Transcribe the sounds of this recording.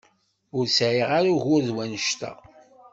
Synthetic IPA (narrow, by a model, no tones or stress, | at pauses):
ʊɾsʕiʁaɾuʝʊɾðwænəʃt̪æ̰